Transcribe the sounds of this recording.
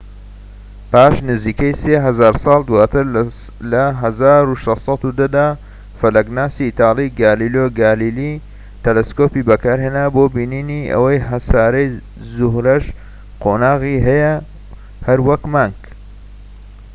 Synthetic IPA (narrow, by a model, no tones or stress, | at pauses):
paːʃnɨziːkɐjseːɦɐzaːɾsˤɑːlˠd̪uwaːt̪ɨɾ | lɐɦɐzaːɾuʃɐssˤɑt̪ud̪ɐd̪aː | fɐlɐɡnaːsiːt̪ɑːliɡaːliloɡaːlili | t̪ɛleskopiːbɐkaːɾheːnaːboːbiːniːniʔɐ̰wɐjɦɐsaːɾɐj | zʊhɾɐʃ | qʰoːnaːɣiːɦɐjɐ | hɐɾwɐkmaːŋɡ